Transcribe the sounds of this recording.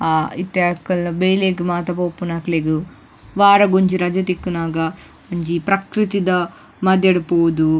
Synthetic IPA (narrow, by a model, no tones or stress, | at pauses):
aːit̪jaːkɐlnɐbejleːkimaːt̪ɐpoːpːunaːkleɡu | ʋaːɾɐɡoɲt͡ʃiɾɐd͡ʒɐt̪ikːunaːɡɐ | ɐɲd͡ʒipɾɐkɾit̪id̪ɐ | mɐd̪ʱjɐɽupoːd̪u